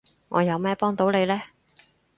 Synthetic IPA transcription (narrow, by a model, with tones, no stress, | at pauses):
ŋʔɔ̰ː˨˧jɐ˨˧wmɛː˥pɔː˥ŋt̪o˨˥wle˨˧jlɛː˥